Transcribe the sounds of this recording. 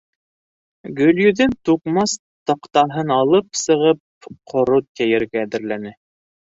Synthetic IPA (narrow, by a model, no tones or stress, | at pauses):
ɡɵ̆ljɵ̆ðɘnt̪uqmɑs | t̪ɤqt̪ɑɦɤnɑlˠɤp̚sɤ̆ʁɤp̚qʰŏɾot̪̚kæjɘ̆ɾɡæːðɘ̆ɾlænɘ